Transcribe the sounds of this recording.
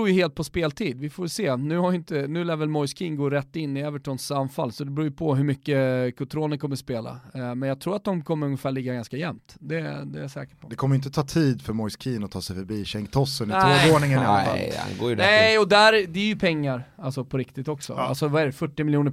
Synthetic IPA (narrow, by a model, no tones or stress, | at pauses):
uːjɵheːlt̪̚pʰɔspeːlt̪ʰiːd̪vɪfoːjseːnʉ̟ːhajʏɪnt̪ənʉ̟ːlæːɾvɛlmɔjskʰinɡoːɾɛt̪ːɪnːɪɛvəʈʰɔnsanfalːsɔd̪ɛbɾuːjpʰɔɦɵmʏkːəkʰʊt̪ʰɾoːnəɾkʰɔmːəspeːla̰mɛnjɑɡ̚t̪ʰɾuːɾat̪̚d̪ɔmkʰɔmːəɾɵŋːəfæːɭɪɡːaɡanskajɛmt̪d̪ɛd̪ɛjasɛ̰ːkə̥pʰɔd̪ɛkʰɔməjʏɪnt̪ət̪ʰɑːt̪ʰiːd̪fœɾmɔjskʰiːnɔt̪ʰɑːsɛjfœɾbiːɕɛŋkt̪ʰɔsənɪoːoːnɪŋənɛ̰a̰nɡo̰ːjnɛɔd̪æɾd̪ɛæɾjɵpʰɛŋːaɾalsɔpʰɔɾɪkt̪ɪt̪ɔksɔ̰a̰lsɔvaɛɾɛfœʈːɪmɪljuːnə